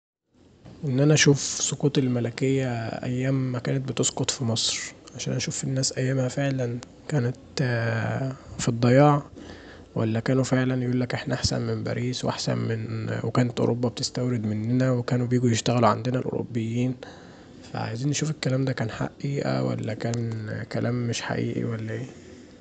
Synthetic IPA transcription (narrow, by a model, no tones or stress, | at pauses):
ʔenːʔænæʔæʃuːfsˤokuːt̪ˤelmælækejːæʔæ̰jːæːmːækæːnæt̪̚bet̪esqot̪fimɑsˤɾʕaʃæːnʔæʃuːfenːæːsʔæjːæːmhæfeʕlæn | kæːnæt̪ | fid̪ˤːɑjɑːʕ | wæ̰lːækæːnufeʕlænjʔuːlːækʔeħnæʔaħsæ̰nmembæ̰ɾiːswʔa̰ħsæ̰nmenwekæːnæt̪ʔo̰ɾʔobːɑbet̪est̪æwɾed̪menːenæwekæːnubjiːɡujeʃt̪æɣæluʕand̪enælʔo̰ɾo̰bːejːiːn | fæ̰ʕa̰jziːnʔeʃuːfelkːælæːmd̪ækæːnħa̰ʔʔiːʔæ̰wæ̰lːækæːnkælæːmːeʃħa̰ʔḭːʔḭwælːæʔeː